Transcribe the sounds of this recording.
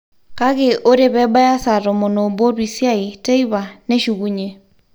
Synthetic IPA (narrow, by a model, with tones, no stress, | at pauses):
ka˦ɣe˦ʔo˦ɾe˦βɛ˦ba˦ja˦sa˨ɾɔ˨mo˨no˨bo˦ɾwi˨sja˦i˨te˦i˦βa˨ne˦ʃu˨ɣu˦ɲe˨